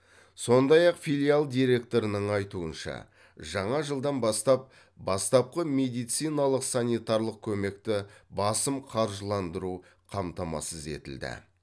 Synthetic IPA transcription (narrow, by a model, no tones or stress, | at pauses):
so̞nd̪ɑjɑqfilʲialˠd̪ijɾe̞k̚t̪o̞ɾənəɴɑjt̪uənʃɑ̰ | ʒɑɴɑʒəlˠd̪ɑnbɑst̪ɑp̚ | bɑst̪ɑp̚qəme̞d̪ijt̪sijnɑlˠəqsanijt̪ɑɾlˠəq̚kʲʰɵme̞kt̪ɪbɑsəmqʰɑɾʒəlˠɑnd̪əɾu | qʰɑmt̪ɑmɑ̰səze̞̰t̪ɪ̰ld̪ɪ̰